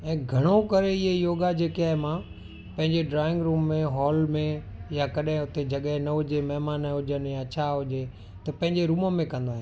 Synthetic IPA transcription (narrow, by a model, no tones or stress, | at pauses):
ɛ̃ːɡʱɐɽ̃okɐɾeɪɦejoːɡad͡ʑeːkiaːɦemã | pɐ̃ɦɪ̃ɲd͡ʑeɖɾaːɪ̃ŋɡɾuːmːẽɦɔːlmẽ | jakɐɗɦɪ̃ʊt̪ed͡ʑɐɠəɦnɐɦʊd͡ʑemɐɦmaːnɦʊʄənjat͡ɕʰaɦʊd͡ʑe | t̪ɐpɐ̃ɦɪ̃ɲd͡ʑeɾuːməmẽkɐ̃nd̪oaːɦe